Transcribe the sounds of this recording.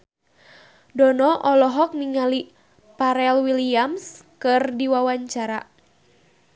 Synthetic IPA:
dɔnɔʔɔlɔɦɔk̚niŋali | paɾɛlwiliamskɨrdiwawaɲt͡ʃaɾa

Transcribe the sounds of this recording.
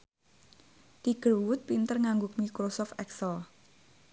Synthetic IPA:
t̪iɡ̥əɾwʊt̪̚pint̪ərŋaŋɡʊk̚mikɾosɔft̪ɛksəl

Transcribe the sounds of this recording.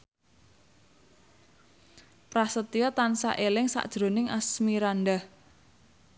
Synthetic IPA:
pɾahsət̪iɔt̪ansa̰ʔelɪŋsa̰ʔd̥ʒ̥ɾo̤nɪŋʔasmiɾanɖah

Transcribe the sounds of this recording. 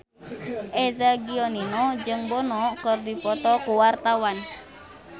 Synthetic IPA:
ʔɛzaɡiɔninɔd͡ʒɨŋbɔnɔkərdipɔt̪ɔkuwart̪awan

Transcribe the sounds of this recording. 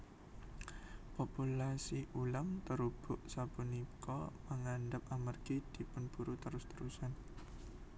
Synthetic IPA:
populasiʔulamt̪əɾub̥ʊʔsapunikɔməŋanɖəp̚amərɡ̥id̪̥i̤pʊnb̥uɾut̪əɾʊst̪əɾusan

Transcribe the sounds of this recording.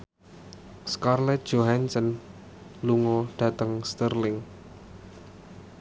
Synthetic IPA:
skarlɛt̪̚d̥ʒ̥oɦansən | luŋɔɖ̥ä̤t̪əŋst̪ərlɪŋ

